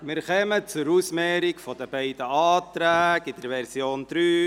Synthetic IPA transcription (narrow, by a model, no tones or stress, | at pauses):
mɪɾχɛmət͡sʊɾusmɛːɾɪkfɔd̥̪əbɛɪd̥̪əɑːt̪ɾæːɡɪd̥̪əɾʋɛɾsjoːnd̥̪ɾyː